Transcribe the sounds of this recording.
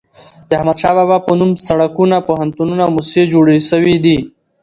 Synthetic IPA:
d̪̥əahmad̪ʃɑbabapənumsaɽakunapoɦant̪ununamused͡ʒoɽeʃəwid̪i

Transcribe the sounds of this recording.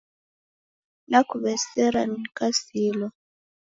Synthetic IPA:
nakuβɛsɛɾanikasilɔ

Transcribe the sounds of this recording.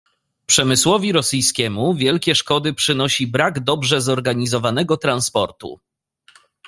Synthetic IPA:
pʂɛmɘswɔvʲiɾɔsɘjskʲɛmuvʲjɛlkʲɛʂkɔd̪ɘpʂɘnɔɕibɾaɡd̪ɔbʐɛzɔɾɡaɲizɔvanɛɡɔt̪ɾanspɔɾt̪ṵ

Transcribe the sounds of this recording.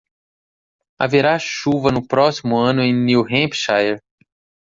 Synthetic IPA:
a̰veɾaʃuvɐnʊpɾɔsimʊɐ̃nʊẽj̃niwɦẽpʃajeɾ

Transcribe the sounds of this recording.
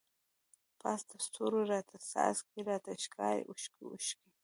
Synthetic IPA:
pʰast̪ʰast̪ʰʊɾʊɾat̪ʰasa̰skɪɾat̪ʰaʃkʰaːjʔʊʃkɪʊ̰ʃkɪ

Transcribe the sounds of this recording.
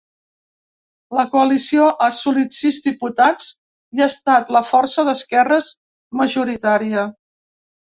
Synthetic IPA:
ləkuəlisioʔasulit̪sizðiput̪at͡s | iast̪at̪ləfɔɾsəðəskɛrəz | məʒuɾit̪aɾiə

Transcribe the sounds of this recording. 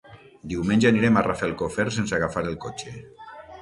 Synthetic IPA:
d̪iwmẽnʲʒeaniɾemarafelˠkofeɾsensaɣafaɾelˠkot͡ʃe

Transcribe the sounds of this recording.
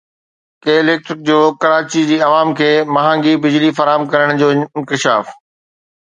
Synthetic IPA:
keɪleːk̚ʈɾɪk̚d͡ʑoːkɐɾaːt͡ɕid͡ʑiːɐʋaːmkʰeːmɐɦãːŋɡibɪd͡ʑlifɐɾaːɦəmkɐɾəɽ̃d͡ʑoːnkɪʃaːf

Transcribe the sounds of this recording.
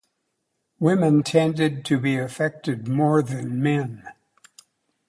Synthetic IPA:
wɪ̃mɨ̃ntʰɛ̃ndɨd̚tʰɨbiɨfɛk̚tɨd̚mɔɹðɨ̃nmɛ̃n

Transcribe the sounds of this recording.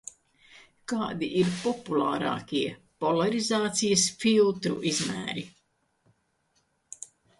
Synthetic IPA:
kaːd̪iʔiɾpɔpulˠɑːɾɑ̰ːkʲiɛ | pɔlˠaɾizaːt̪sijɐsfilˠt̪ɾṵʔizmæ̰ːɾi

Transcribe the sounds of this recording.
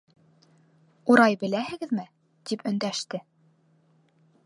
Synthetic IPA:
uɾɑjbɘ̆læhɘ̆ɡɘ̆ðmɘ | t̪ipɵ̆nd̪æʃt̪ɘ

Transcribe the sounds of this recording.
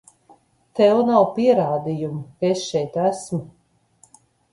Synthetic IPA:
t̪ɛwnawpiɛɾaːd̪ijumkesʃɛjt̪æsmu

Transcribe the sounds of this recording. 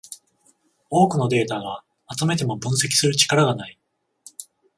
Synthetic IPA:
o̞ːkɯ̟no̞d̪e̞ːt̪aɡa | mat͡sɨme̞t̪e̞mo̞bɯ̟̃ɰ̃se̞kʲi̥sɨɾɯ̟t͡ɕi̥kaɾaɡanai

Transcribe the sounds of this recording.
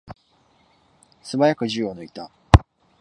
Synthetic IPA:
sɨbajakɯ̟d͡ʑionoit̪a

